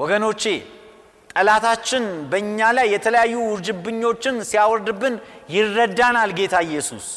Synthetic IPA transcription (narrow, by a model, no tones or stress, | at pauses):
wɔɡəno̞t͡ʃːe̞ | t̪ʼəlat̪ʰat͡ʃːɪnbəɨɲːalajːɛt̪ʰələjajːuwʊɾd͡ʒɨbɨɲːo̞t͡ʃːɪnsijawɔɾd̪ɨbːɨnjɪrːəd̪ːanalɡe̞t̪ʰaɨjːɛsṵs